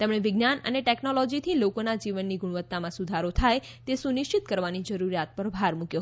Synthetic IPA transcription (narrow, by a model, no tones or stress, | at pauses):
t̪emɽ̃eʋɪɡnanə̰neʈeknolɔd͡ʒit̪ʰilokonad͡ʒiʋənːiɡuɽ̃ʋət̪ːamãsud̪ʱaɾot̪ʰaj | t̪esunɪʃt͡ʃit̪kəɾʋanid͡ʒəɾuɾjat̪̚pəɾbʱaɾmukjo